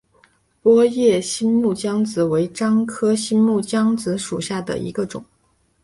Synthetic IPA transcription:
pwɔ˥jɛ˥˩ɕi˥nmu˥˩t͡ɕjɑ˥ŋt͡sɹ̩˧˥we˧˥ɪʈ͡ʂɑ˥ŋkʰɤ˥ɕi˥nmu˥˩t͡ɕjɑ˥ŋt͡sɹ̩˧˥ʂu˨˩ɕja˥˩d̪ə̰˩ḭ˧˥ɡə˧ʈ͡ʂʊ̰˨˩˦ŋ

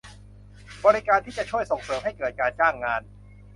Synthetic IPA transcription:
bɔː˧ɾi˦kaː˧nt̪ʰiː˥˩t͡ɕa˨˩t͡ɕʰu˥˩əjso˨˩ŋsɤː˧mɦa˥˩jkɤː˨˩t̪̚kaː˧nt͡ɕaː˥˩ŋːaː˧n

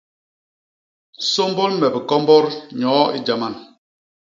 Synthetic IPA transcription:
so˦mbɔ˦lmɛ˨bi˨kɔ˦mbɔ˦ɾɲɔ˨˦i˦d͡ʒa˨ma˦˨n

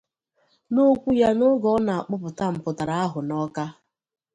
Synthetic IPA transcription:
no˦kʷu˦ja˦nʊ˦ɡɔ˦na˨a˨k͡pʊ˦pʊ˨ta˦m̩˨pʊ˨ta˨ɾa˦a˦ɦʊ˨nɔ˦ka˦

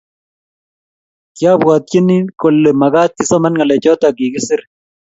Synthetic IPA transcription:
kɪ˦a˦bwa˨t̪̚kɪ˦nːi˦ko˨lːe˨mɐ˨ɡa˦t̪̚kɪ˦sɔ˦ma˦nŋa˨lɛ˨t͡ʃɔ˦ta˨ɡɪ˨ɡɪ˦sɪ˦ɾ

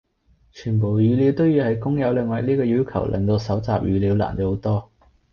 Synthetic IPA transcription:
t͡ʃʰyː˨˩npo˨˩wjyː˨˧liː˨˥wt̪o˥wjiː˧hɐ˨˥jkʊ˥ŋjɐ˨˧wlɪ˨ŋwɐ˨k̚liː˥kɔː˧jyː˨˥wkʰɐ̰˨˩wlʔɛ̰˨ŋt̪o˧wsɐ˨˥wt͡saː˨p̚jyː˨˧liː˨˧˥wla̰ː˨˩nt̪o˨˧˥ho˨˧˥wt̪ɔː˥

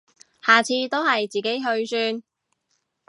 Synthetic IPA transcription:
haː˨˩t͡sʰiː˧t̪o˥whɐ˨jt͡siː˨ke˨˥jɦɵ˧ɥsyː˧n

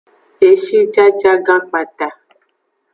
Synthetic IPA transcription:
e˨ʃi˦d͡ʒa˦d͡ʒa˦ɡã˦k͡pa˨ta˨

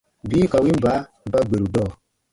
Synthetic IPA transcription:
biː˦ka˨wi˦m˨ba˨˦˨ba˦ɡ͡be˨ɾu˨dɔː˦˨

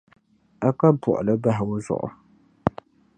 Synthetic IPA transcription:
a˦ka˦bʊ̰˨ʔʊ˨lɨ˦ba˦ɦɪ˨wʊ˦zʊ̰˨ʔʊ̰˨

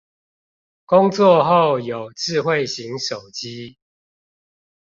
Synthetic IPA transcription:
kʊ˦ŋt͡swɔ˥˨xo˥˨ʊjo˨˩ʊʈ͡ʂɻ̩˥˧xwe˥˨ɪɕi˨˦ŋʂo˨˩ʊt͡ɕi˦

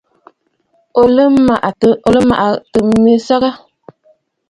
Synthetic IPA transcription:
o˨lɨ˦ma˨ʔo˨lɨ˦ma̰˨ʔa˨tɨ˨˦mi˦sa˦ɣa˦

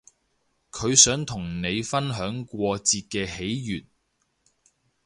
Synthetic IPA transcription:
kʰɵ˨˧ɥsœː˨˥ŋt̪ʰʊ˨˩ŋne˨˧jfɐ˥nɦœː˨˥ŋkʷɔː˧t͡siː˧t̚kɛː˧he˨˥jjyː˨˩t̚

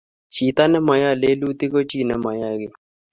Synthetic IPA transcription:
t͡ʃi˨t̪a˦nɛ˦ma˨ja˦˨le˦lu˦t̪ɪ˦ko˦t͡ʃi˦˨nɛ˦ma˨ja˦ɡɪ˦˨

